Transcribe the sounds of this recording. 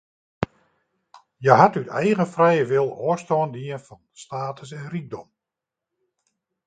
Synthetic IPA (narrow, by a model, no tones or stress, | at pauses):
jɛɦatytɛjɣənfrɛjəʋɪlˠoːstoːndiənfɔnstaːtʰəsɛnriɡ̚dɔm